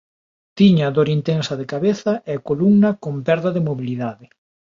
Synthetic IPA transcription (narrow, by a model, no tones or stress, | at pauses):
t̪iɲaðoɾint̪ensɐðɪkaβeθɐʔɛakolumnɐkompɛɾðɐðɪmoβiliðaðɪ